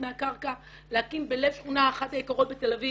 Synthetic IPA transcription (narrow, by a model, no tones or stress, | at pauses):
meakaʁka | lehakimbelevʃχunaːχat̪ajikaʁo̞t̪̚bet̪elavi